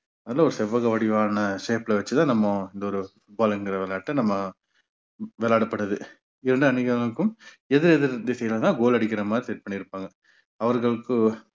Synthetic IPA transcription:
ɐðɪlaːɔɾɯsɛʋːɐɣɐʋɐɽɪʋaːnɐʂeːplɐʋɐt͡ʃːɯt̪ãːnɐmːɐɪnd̪ɐɔɾɯfʊʈ̚baːlɛŋɡɪɾɐʋɛːlaːʈːɐnɐmːɐ | ʋɛːlaːɽɐpːɐʈːɐðɯ | ɪɾɐɳɖɯɐnɪɣɐɐɭɯkːɯm | ɛðɪɾɛðɯɾnd̪ɯsɛjlɐt̪ãːɡoːlɐɽɪk̬ːɪɾɐmaːd̪ɾisɛʈ̚pɐɳːiɪɾɯpːaːŋɡɐ | ɐʋɐɾɣɐɭɯkːɯ

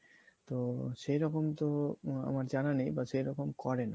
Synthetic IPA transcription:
t̪oʃejɾɔkomt̪oa̰maɾd͡ʑananejbaʃejɾɔkomkɔɾena

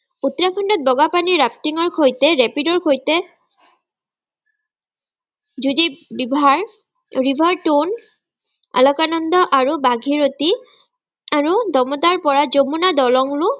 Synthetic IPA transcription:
ut̪ɹakʰɔndɔt̪̚bɔɡapaniɹap̚tiŋɔɹkʰojtɛɹɛpidɔɹkʰojtɛ | zudibibʱaɹ | ɹibʱɔɹtun | a̰lɔkanɔnd̪ɔʔaɹubaɡʱiɹoti | aɹud̪ɔmɔt̪aɹpɔɹazomunadɔlɔŋlu

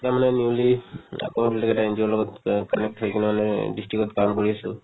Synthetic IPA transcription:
tamanɛnjulia̰kɔbilakɛtainzɔɔlɔɡɔtkɔnɛk̚tɦojkinamanɛdistɹikɔtkamkoɹiasʊ̰

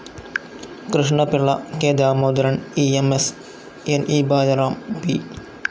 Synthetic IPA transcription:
kɾɪʂɳɐpɪɭːɐkeːd̪aːmoːd̪ɾɐniːemes | enʔiːbaːd̪ɐɾaːmpi

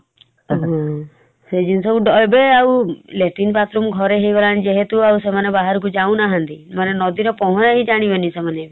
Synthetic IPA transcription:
ɦɔ̃ | sed͡ʒinsɔuɖɔjbeawleʈinpat̪ɾumɡʱɔɾeɦejɡɔlaɽid͡ʒeɦet̪uawsemanebaɦaɾɔk̬ud͡ʒaũnaɦãnt̪imanenɔd̪iɾɔpɔɦɔ̃ɾaɦĩd͡ʒaɽ̃ibenisemane

